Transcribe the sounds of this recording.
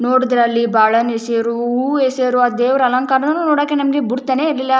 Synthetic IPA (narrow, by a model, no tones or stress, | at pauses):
noːɽid̪ɾɐlːibaːɭɐneseɾuuːeseɾuɐd̪eːʋɐɾɐlɐŋkaːɾɐnɐnːunoːɽaːkːenɐmɡebuɽt̪ːaːneiɾlilːɐ